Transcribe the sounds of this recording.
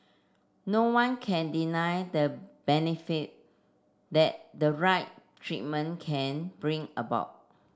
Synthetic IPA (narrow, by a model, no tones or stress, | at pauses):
nowãnkʰɛ̃ndinajdəb̥ɛnifit̚ | dɛt̚dəɹaɪt̚tʰɹḭt̚mə̃nkʰɛ̃nbɹĩŋəba̰ʊt̚